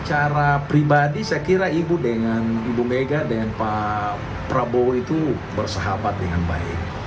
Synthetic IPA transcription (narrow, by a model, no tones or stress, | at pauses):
t͡ʃaɾapɾibadisajkiɾaibudəŋanibumeɡadanpa | pɾaboit̪u | bərsəɦabat̪̚dəŋanba̰ɪ̰k̚